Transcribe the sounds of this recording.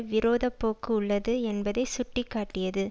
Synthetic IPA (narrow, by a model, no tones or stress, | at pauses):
ʋɪɾoːðɐpːoːkːɯʊɭːɐðɯɛnbɐðɐɪsʊʈːɪkːaːʈːɪjɐðɯ